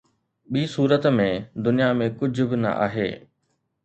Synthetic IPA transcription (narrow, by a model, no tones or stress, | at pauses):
ɓiːsuːɾət̪mẽd̪ʊnijamẽkʊd͡ʑʱʊbɪnɐ̰ʔa̰ːɦeː